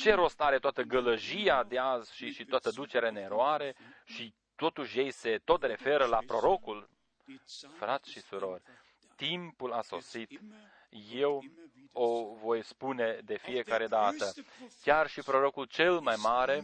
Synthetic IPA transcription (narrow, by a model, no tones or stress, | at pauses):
t͡ʃe̞ɾo̞st̪aɾe̞t̪oat̪əɡələʒiad̪eazʃiʃit̪oat̪əd̪ut͡ʃeɾane̞ɾoaɾe̞ʃi | t̪o̞t̪uʃje̞jse̞t̪o̞t̪re̞fe̞ɾəlapɾo̞ɾo̞kul | fɾat̪sʃisuɾo̞rʲ | t̪impulaso̞̰sit̪ | je̞w | ovo̞jspune̞d̪e̞fije̞kaɾe̞d̪at̪əkʲarʃipɾo̞ɾo̞kult͡ʃe̞lmajmaɾe̞